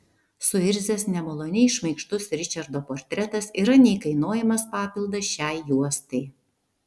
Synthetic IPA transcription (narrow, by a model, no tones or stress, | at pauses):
sʊɪɾʲzʲɛsnʲɛmɐlˠoːnʲɛɪʃmɐɪkʃt̪ʊsɾʲɪt͡ʃʲɐɾd̪oːpoːɾʲt̪ʲɾʲɛt̪ɐsiːɾɐnʲɛɪkɐɪnoːjɛmɐspɑːpʲɪlˠd̪ɐʃʲæˑɪjuɔst̪ɐɪ